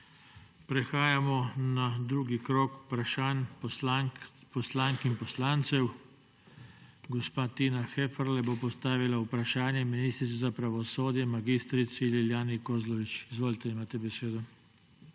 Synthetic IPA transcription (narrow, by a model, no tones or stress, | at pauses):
pɾɛxaːjamɔnad̪ɾuːɡikɾoːku̥pɾaʃaːn | pɔslaːŋkinpɔslaːnt̪sɛw | ɡɔspaːt̪iːnaxɛfəɾlɛbopɔst̪aːʋilaupɾaʃaːnjɛminiːst̪ɾit̪sɛzapɾaʋɔsoːd̪jɛmaɡist̪ɾit̪sililjaːnikoːzlɔʋit͡ʃizʋoːlit̪ɛimaːt̪ɛbɛseːd̪ɔ